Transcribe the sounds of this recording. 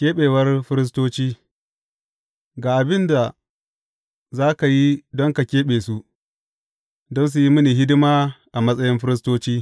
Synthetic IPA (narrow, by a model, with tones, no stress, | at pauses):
kʲeː˦ɓeː˨wɐ˦rɸɪ˦ɾɪ˦s̬toː˦t͡ʃiː˦ | ɡaː˨ʔa˨bɪ˦nda˨ | zaː˦ka˨ji˦dɔ˦ŋka˨kʲeː˦ɓeː˨su˦ | dɔ˦ns̬u˨ji˦mʊ˦niː˨ɦɪ˦dɪ˦maː˦ʔa˨mɐ˦sʼɐ˦jɪ˦mɸɪ˦ɾɪ˦s̬toː˦t͡ʃiː˦